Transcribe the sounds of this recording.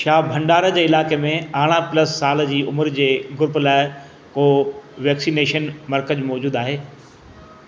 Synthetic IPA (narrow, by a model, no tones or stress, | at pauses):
ʃaːbʱɐ̃ɳɖaːɾə̆d͡ʑeːɪlaːkemẽaːɽ̃apləsːaːld͡ʑiːʊməɾd͡ʑeːɡʊɾplaːɪ | koːʋɛːksiːneːʃənmɐɾkəd͡ʑmɔːd͡ʑuːd̪aːɦeː